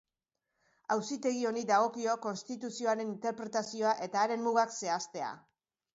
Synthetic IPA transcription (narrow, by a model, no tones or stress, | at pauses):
awsit̪e̞ɣ̞io̞nid̪aɣ̞o̞kio̞ko̞nst̪it̪usio̞aɾe̞nint̪e̞ɾpɾe̞t̪asio̞aʔe̞t̪aːɾe̞nmːuɣ̞akse̞ast̪e̞a̰